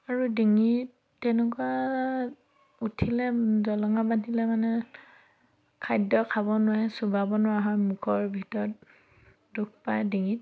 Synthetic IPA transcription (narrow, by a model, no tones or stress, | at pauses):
aɹudiŋit | tɛnɛkua | utʰilɛzɔlɔŋabadilɛmanɛ | kʰajdɔkʰabɔnʊwajsubabɔnʊwaɦɔjmukʰɔɹbʱitɔɹɔt̚ | duk̚ʰpajdiŋit̚